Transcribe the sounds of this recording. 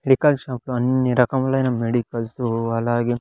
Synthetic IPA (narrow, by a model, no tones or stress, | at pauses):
meɖikɐlʃaːpluɐnɐɾɐkɐmɐlːɐːinɐmːeɽikɐlsuɐlaːɡe